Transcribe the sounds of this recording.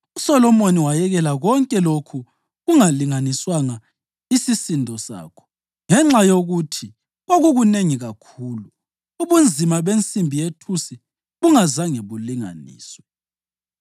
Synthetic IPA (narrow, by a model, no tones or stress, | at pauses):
usɔlɔmoniwajɛɣɛlaɣɔŋkʼɛlokʰu | ɣuŋaliŋaniswaŋa | isisindʱɔsa̰ːkʰɔ̥ | ŋɛŋ͡ǁajoɣutʰi | ɣoɣuɣuneŋiɣakʰuːluː | βund͡zʱimaβent͡sʼimbʱijetʰusi | ɣuŋazaŋeβuliŋa̰nḭːsɔ̥